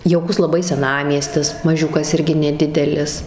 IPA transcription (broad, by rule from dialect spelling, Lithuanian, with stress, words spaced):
jɛʊˈkʊs lˠɐˈbɐɪ sʲɛˈnɑːmʲiɛsʲtʲɪs mɐˈʒʲʊkɐs ˈɪrʲɡʲɪ nʲɛˈdʲɪdʲɛlʲɪs